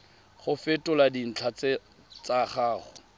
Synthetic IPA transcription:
χʊfɪtʼʊladin̩t͡ɬʰat͡s | t͡saχaːχʊ̰

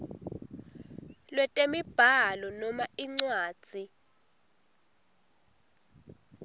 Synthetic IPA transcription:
lwɛtʼemib̥ʱalɔnɔmaiŋ͡ǀwaːd̥d͡z̥ʱi

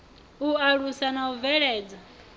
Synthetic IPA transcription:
uaɺusanauvɛɺɛːd͡za

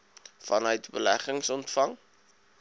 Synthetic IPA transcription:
fɐnœɥtbəlæχəŋsɔntfɐŋ

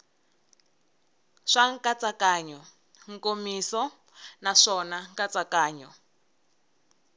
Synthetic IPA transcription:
ʂaŋkʼat͡sʼakaːɲɔ | ŋ̩komisɔ | naʂɔnaŋkʼat͡sʼakaːɲɔ

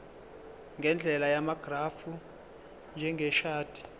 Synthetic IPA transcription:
ŋɡʱɛnd͡ɮʱɛlajamaɡ̥ʱrafu | nd͡ʒʱɛŋɡʱɛʃaːd̥ʱi̥

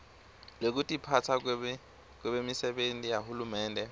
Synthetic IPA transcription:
lek̬utʼipʰat͡sʰa | k̬weɓemisɛɓentʼijahulumɛːndʱɛ

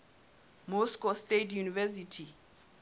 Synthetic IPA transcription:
mɔskɔstetʰjunivɛs̬itʰi

